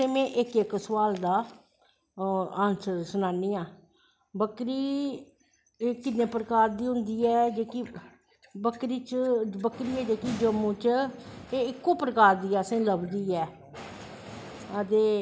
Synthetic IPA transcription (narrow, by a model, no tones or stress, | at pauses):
semẽːʔɪkɪksəʋaːld̪aː | ãːnsəɾsʊnaːniːãː | bəkɾiː | eːkɪnːẽːpɾəkaːɾd̪iːɦʊnd̪iːɛːd͡ʒeːki | bəkɾiːt͡ʃbəkɾiːɛːd͡ʒeːkiːd͡ʒəmːũːt͡ʃeːɪkːõːpəɾəkaːɾd̪iːɛːsẽːləbd̪iːɛː | ət̪eː